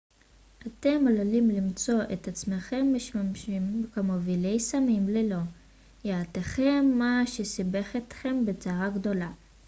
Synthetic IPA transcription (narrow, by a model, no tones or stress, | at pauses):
ʔat̪e̞mololimlimt͡so̞ʔet̪at͡smeχe̞mːeʃamʃimkamovilejsamimlelo̞ | jeːteχe̞mːaʃesibe̞χet̪χe̞mbet͡saʁaɡdo̞la